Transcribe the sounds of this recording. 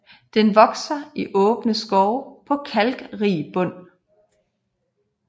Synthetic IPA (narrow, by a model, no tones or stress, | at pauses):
d̥enʋɒ̽ɡ̥sɐiʔɔ̽ːb̥nəsɡ̥ɒʊpʰɒ̽kʰælɡ̥ʁiːb̥ɔ̽n̰